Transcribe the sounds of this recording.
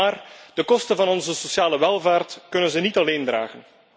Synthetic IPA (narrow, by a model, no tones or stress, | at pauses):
aːrd̥əkɔstənvɑnɔnzəsosjaːləʋɛlˠvaːrtkɵnənzənitɑleːndra̰ːɣən